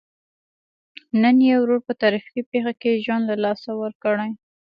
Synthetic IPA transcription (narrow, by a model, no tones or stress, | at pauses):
nənjewɾoɾpət̪ɑɾifikipexakeʒwand̪lalɑsawəɾkəɽəj